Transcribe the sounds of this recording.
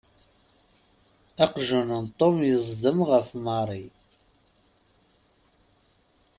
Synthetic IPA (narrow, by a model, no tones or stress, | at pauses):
æqʒənənt̪ˤːomjəzˤd̪əmʁəfmɑɾˤi